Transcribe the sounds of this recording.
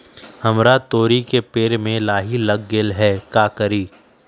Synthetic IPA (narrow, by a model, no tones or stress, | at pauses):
hɐmɾat̪oːɾikepeːɾmẽlaːɦilɐɡːeːlɦɛːkaːkəɾiː